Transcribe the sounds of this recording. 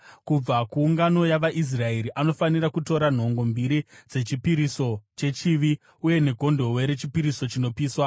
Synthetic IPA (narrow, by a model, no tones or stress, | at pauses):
kub͡vakuːŋɡano̞jaʋaʔis̬rae̞ɾiʔano̞fanirakuto̞ɾan̤o̞ŋɡo̞mbiɾid͡ze̞t͡ʃipiɾiso̞t͡ʃe̞t͡ʃiʋi | uje̞ne̞ɡʱo̞ndʱo̞we̞ɾe̞t͡ʃipiɾiso̞t͡ʃino̞piːswa